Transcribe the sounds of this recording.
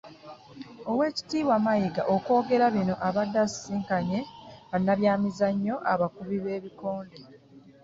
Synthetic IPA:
o̞we̞ːci̥tiːβwamajiɡa̰ʔoko̞ːɡe̞ɾaβino̞ʔaβadːasiːŋkaɲe̞βanːaβjaːmizaɲːo̞ʔa̰βakuβiβe̞ːβiko̞ːnde

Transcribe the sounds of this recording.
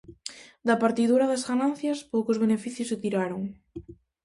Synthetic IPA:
d̪ɐpaɾt̪iðuɾɐðɐzɣanan̟θjɐspowkʊzβ̞enefiθjʊsɪt̪iɾaɾoŋ

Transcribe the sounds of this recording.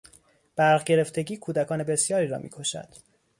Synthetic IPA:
b̥æɾʁɟe̞ɾe̞ft̪e̞ɟiːkʰuːd̪ækʰɒːne̞be̞sjɒːɾiːɾɒ̰ːmḭːkʰo̞ʃæ̰d̪̥

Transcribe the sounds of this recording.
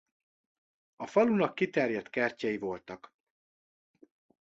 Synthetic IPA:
ɒfɒlunɒkːit̪ɛrjɛt̪kɛrcɛjivo̞lt̪ɒk

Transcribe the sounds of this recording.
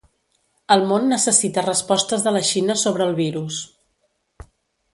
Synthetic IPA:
əlˠmonːəsəsit̪ərəspɔst̪əzðələʃinəsoβɾəːlˠβiɾus

